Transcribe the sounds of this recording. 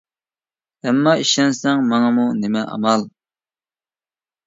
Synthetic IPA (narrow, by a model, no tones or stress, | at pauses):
ɛmːɑiʃɛnsɛŋmɑŋɑmunemɛʔɑ̰mɑlˠ